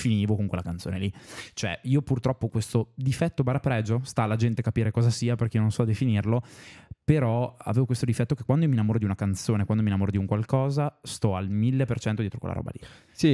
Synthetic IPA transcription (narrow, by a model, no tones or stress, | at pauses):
finiːvokoŋkwḛlakant̪soːnelit͡ʃoɛ̰iːopurt̪ɾɔpːokwest̪od̪ifɛt̪ːobaɾapɾɛːd͡ʒost̪aːlːad͡ʒɛnt̪ekapiːɾekɔːzasiːaperkeionõnsɔad̪efinirlopeɾɔa̰veːvokwest̪od̪ifɛt̪ːokekːwand̪ojiominamoːɾod̪iunakant̪soːnekwand̪ominamoːɾod̪iuŋkwalkɔːzast̪ɔalmilːepert͡ʃɛnt̪od̪jɛt̪okwḛla̰ɔ̰ba̰li | si